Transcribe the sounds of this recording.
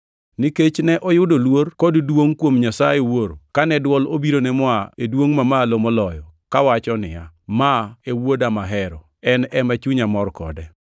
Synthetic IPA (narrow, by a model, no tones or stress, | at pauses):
nɪket͡ʃnɛʔɔjʊdolworkɔddwoŋkwomɲasajewoɾokanɛdwɔlobiɾonɛmwaedwoŋmamalomolɔjɔkawat͡ʃɔnɪ̰jamaewodamaɦɛɾɔ̰ | ɛnɛmat͡ʃuɲamɔrkɔ̰dɛ